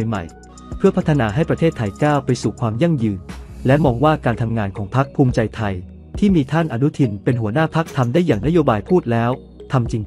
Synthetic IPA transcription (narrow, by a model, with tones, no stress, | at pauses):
jma̰˨˩j | pʰɯ˥˩ɐpʰa˦˥t̪ʰːa˧naː˧ɦa˥˩jpɾa˧t̪ʰeː˥˩t̪ʰːa˧jkaː˥˩wpa˧jsuː˨˩kʰwaː˧mja˥˩ŋjɯː˧nlɛ˦˥mɔː˧ŋwaː˥˩kaː˧nt̪ʰa˧mŋaː˧nkʰɔː˩˦ŋpʰa˦˥k̚pʰuː˧mt͡ɕa˧jt̪ʰa˧j | t̪ʰiː˥˩miː˧t̪ʰa˥˩nʔa˧nu˦˥t̪ʰi˧npe˧nɦu˩˦ɐnaː˥˩pʰa˦˥k̚t̪ʰa˧mdaː˥˩jːaː˨˩ŋna˦˥joː˧baː˧jpʰuː˥˩t̪̚lɛː˦˥w | t̪ʰa˧mt͡ɕi˧ŋ